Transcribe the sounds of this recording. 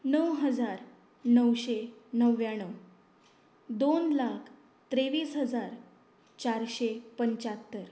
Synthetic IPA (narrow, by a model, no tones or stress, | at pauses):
nəwɦəd͡zaɾ | nəwɕenəʋjãɽ̃əw | d̪onlakʰ | t̪ɾeʋiːsɦəd͡zaɾ | t͡ɕaɾɕepəɲt͡ɕat̪ːəɾ